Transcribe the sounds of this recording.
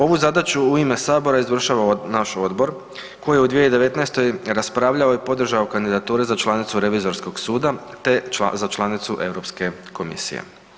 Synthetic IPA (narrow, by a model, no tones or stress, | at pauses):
o̞ʋuzad̪at͡ʃuuime̞saːbo̞ɾaizʋr̩ʃaʋanaʃo̞d̪bo̞ɾ | ko̞jijeud̪ʋijeid̪e̞ʋe̞t̪naest̪o̞jɾaspɾaːʋʎaoipo̞d̪r̩ʒaokand̪id̪at̪uːɾezat͡ʃlˠanit̪suɾe̞ʋizo̞ɾsko̞ɡsuːd̪at̪ezat͡ʃlˠanit̪suʔe̞ʋɾo̞pske̞ko̞mḭsḭjḛ